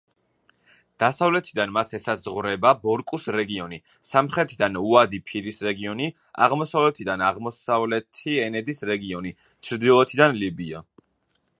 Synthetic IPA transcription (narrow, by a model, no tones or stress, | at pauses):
d̪̥asavlɛt̪ʰid̪anmasɛsazʁvɾɛbabɔɾkʼusɾɛɡiɔni | samχɾɛt̪ʰid̪anuad̪ipʰiɾisɾɛɡiɔni | a̰ʁmɔsavlɛt̪ʰid̪anaʁmɔsavlɛt̪ʰiɛnɛd̪isɾɛɡiɔni | t͡ʃʰɾd̪ilˠɔt̪ʰid̪anlibia̰